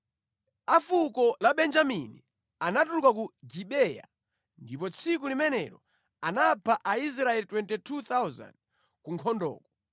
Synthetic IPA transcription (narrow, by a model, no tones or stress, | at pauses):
afukɔlaɓɛnd͡ʒaminḭ | anatulukak̬uɡiɓɛja̰ | ndipɔt͡sʰikulimɛnɛ̰ɾɔ | anapʰaʔais̬ɾaɛlitwɛntɛtʰut̪awza̰nd̚ | kuŋkʰɔndɔ̰ːkɔ